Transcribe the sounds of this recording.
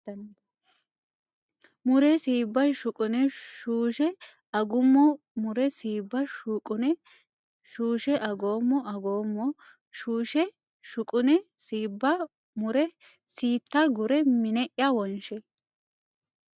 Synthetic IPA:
mʊɾɛsiːbːɐʃʊkʼʊnɛʃuːʃɛ | ɐɡʊmːɔ | mʊɾɛsiːbːɐʃukʼʊnɛ | ʃuːʃɛʔɐɡoːmːɔʔɐɡo̞ːmːɔ | ʃuːʃɛ | ʃʊkʼʊnɛsiːbːɐ | mʊɾɛ | siːt̪ːaɡʊɾɛmɪnɛʔjɐwɔnʃɛ

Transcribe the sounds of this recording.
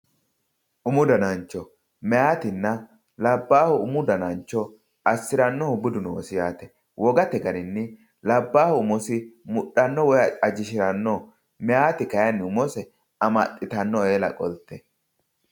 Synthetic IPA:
ʔʊmʊd̪ɐnɐnt͡ʃːɔ | mɛjaːt̪ɪnːɐ | lɐbːaːhʊʊmʊd̪ɐnɐnt͡ʃːɔ | ɐsːɪɾɐnːɔhʊbʊd̪ʊnɔwɔsɪjaːt̪ɛ̥ | wʔɔɡɐt̪ɛɡɐnɪnːɪ | lɐbːaːhʊʊmɔsɪmʊɗɐnːɔwɔjɐɐd͡ʒɪʃɪɾɐnːɔ | mɛjaːt̪ɪkɐjɐnːɪʊmɔsɛ | ɐmɐt̪ʼːɪt̪ɐnːɔeːlɐ̰kʼɔlt̪ɛ

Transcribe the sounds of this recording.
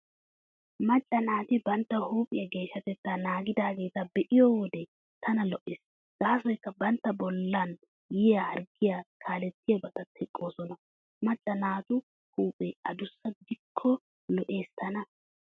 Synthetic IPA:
mɐt͡ɬʼːɐnaːt̪ɪbɐnt̪ːɐhuːpʼɪjɐɡe̞ːʃːɐt̪ɛt̪ːanaːɡɪd̪aːɡe̞ːt̪ɐbɛʔɪjowɔd̪ɛ | t̪ʰɐnɐlɔʔɪːs | ɡ̥aːsɔjkːɐbɐnt̪ːɐbɔlːɐn | jɪjaɐɾɡɪjaːkʰaːlɛt̪ːɪjɐbɐt̪ɐt̪ʰɛkʼːo̞ːsɔnɐ | mɐt͡ɬʼːɐnaːt̪ʊ | huːpʼɛɐd̪ʊsːɐd̪ɪkʰːɔ | lɔʔe̞ːst̪ʰɐnɐ

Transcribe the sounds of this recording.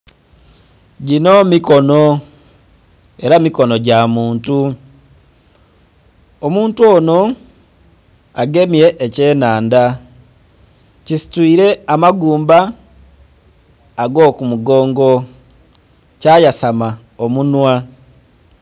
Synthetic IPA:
ɟino̞mikono | e̞ɾamiko̞no̞ɟamuːntu | omuːntuoːno̞ | aɡe̞miɾe̞ʔːce̞ːnaːnda | cisi̥twiːɾe̞amaɡuːmba | ɡo̞ːkumuɡo̞ːŋɡo̞ | cajasama | omunwa

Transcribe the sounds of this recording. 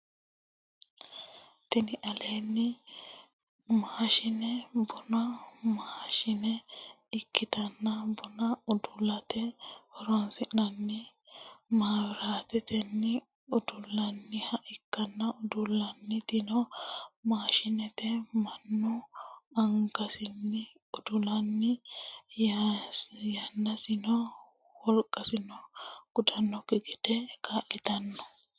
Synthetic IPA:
t̪ɛnɪʔɐleːnːɪ | maːʃɪnɛbʊnɐmaːʃɪnɛ | ɪkːɪt̪ɐnːɐbʊnɐʊd̪ʊlɐt̪ɛhɔɾɔnsɪnɐnːɪ | maːwɪɾaːt̪ɛt̪ɛnːɪ | ʊd̪ʊlːɐnːɪhɐʔɪkːɐnːɐʊd̪ʊlːɐnːɪt̪ɪnɔmaːʃɪnɛt̪ɛmɐnːʊɐŋkɐsɪnːɪ | ʊd̪ʊlɐnːɪj | jɐnːɐsɪnɔ | wɔlkʼːɐsɪnɔɡ̥ʊd̪ɐnːɔkɪɡɛd̪̥ɛkalɪt̪ɐnːɔ̥

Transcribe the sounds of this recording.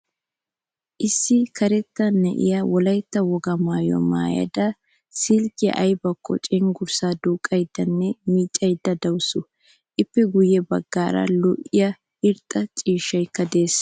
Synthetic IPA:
ʔɪsːɪkɐɾɛt̪ːɐnːɛ̰ʔɪ̰jɐwɔlɐjt̪ːɐwɔɡɐmaːjɔ̰ma̰ːjɐ̰d̪ɐ | siːlkɪjɐ̰ʔɐjbɐkːɔ̰t͡ʃʼɪŋɡʊɾsaːd̪uːkʼːɐjd̪̥ːɐnːɛmiːt͡ʃʼːɐjd̪ːɐd̪ɐwsʊ | ʔɪpːɛɡʊjːɛbɐɡːaːɾɐ̰lɔʔːɪjɐ | ɪɾt̪ʼːɐt͡ʃʼiːʃːɐjkːɐd̪e̞ːs

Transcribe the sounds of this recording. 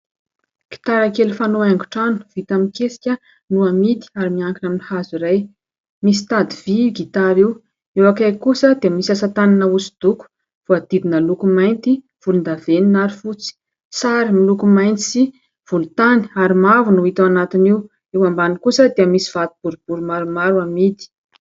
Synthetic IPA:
ɡ̥i̥t̪aɾakelifanoaŋɡuʈ͡ʂanu̥v̥it̪aminkesi̥kʲə | nuamit̪i̥aɾimiaŋkinaminihaziɾaj | misi̥t̪ad̪iviɡit̪aɾiw | ewakajkusəd̪eəmisasat̪aninausi̥d̪̥uku̥ | v̥uad̪̥id̪inəlukumajnt̪i | v̥ulund̪aveninaɾifut͡si̥ | saɾimilukumajnt͡si | v̥ulut̪ani̥aɾimavunuit̪awanat̪iniw | ewambanikusəd̪eəmisi̥v̥at̪i̥b̥uɾub̥uɾumaɾumaɾuamid̪i̥

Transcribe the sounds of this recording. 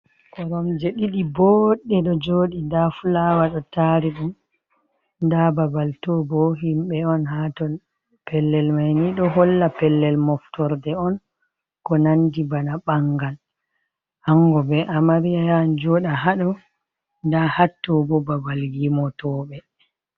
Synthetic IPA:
kɔɾɔmd͡ʒeɗiɗibɔɗːɛɗɔd͡ʒoːɗidafulawaɗɔtaɾiɗum | ndababaltɔbɔɦimɓɛɔnhatɔl | pɛlːɛlmajniɗɔɦɔlːapɛlːɛlmɔftɔɾdɛɔn | kɔnandibanaɓaŋɡal | aŋɡɔbɛʔamaɾijajand͡ʒɔɗaɦaɗɔ | ndahatːɔbɔbabaljimɔtɔːɓɛ

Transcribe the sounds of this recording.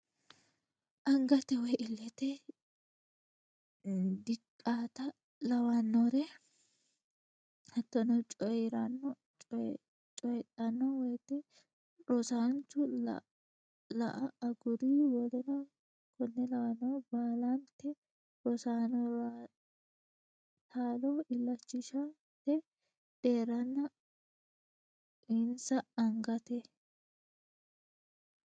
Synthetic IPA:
ʔɐŋɡɐt̪ɛwɛjʔɪlːɛt̪ɛ | d̪ɪkʼːaːt̪ɐ | lɐwanːoɾɛ | hɐt̪ːɔnɔt͡ʃʼɔjɾɐnːɔ | t͡ʃʼ | t͡ʃʼɔjtʼːɐnːɔwɛjt̪ɛ | ɾɔsaːnt͡ʃʊ̰ | lɐ̰ʔɐɐɡʊd̪iwɔlɛnɐ | kɔnːɛlɐʔnoːbaːlant̪ːɛ | ɾɔsaːnɔa | t̪aːloːʔɪlːɐt͡ʃːɪʃɐ | t̪ːɛ | d̪̥eːɾɐnːɐ | ɪnsɐɐŋɡɐt̪ɛ

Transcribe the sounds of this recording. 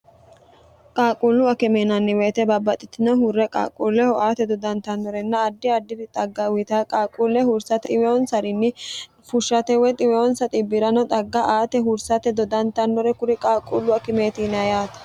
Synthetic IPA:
kʼaːkʼulːʊɐkɪmeːnɐnːɪweːt̪ɛbɐbːɐt̪ʼɪt̪ːɪnɔɦʊrːɛkʼa̰ːkʼulːɛhɔʔaːt̪ɛd̪ɔd̪ɐnt̪ɐnːɔɾɛnːɐːd̪ːɪɐd̪ːɪdɪt̪ʼɐɡːɐwɪt̪akʼaːkʼulːɛhʊɾsɐt̪ɪwɛɔnsɐɾɪnːɪ | fʊʃːɐt̪ɛwɛt̪ʼɪwɛɔnsɐt̪ʼɪbɪɾɐnɔt̪ʼɐɡːɐʔaːt̪ɛɦʊɾsɐt̪ɛd̪ɔd̪ɐnt̪ɐnːɔɾɛkʊɾɪkʼaːkʼːulːʊɐkɪmeːt̪ɪnɐjaːt̪ɐ̥

